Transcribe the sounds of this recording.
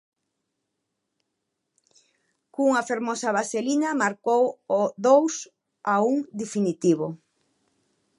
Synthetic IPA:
kuŋafeɾmɔsaβaselinamaɾkowoðows | auŋd̪efinit̪iβo

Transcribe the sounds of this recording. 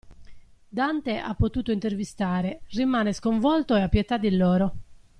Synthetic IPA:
d̪ant̪eʔa̰pːot̪uːt̪oint̪ervist̪aːɾerimaːneskoɱvɔlt̪oeapːjet̪ad̪ːilːɔːɾo

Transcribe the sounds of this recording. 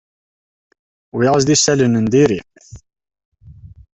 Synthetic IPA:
wiʁəzd̪isælənənd̪iɾi

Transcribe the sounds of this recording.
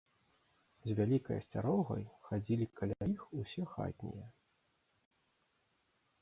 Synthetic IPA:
zʲvʲalʲikɐ̰jɐsʲt͡sʲaɾɔɣɐ̰jxad͡zʲilʲikʰalʲaixusʲɛxa̰t̪ʲnʲḭjɛ

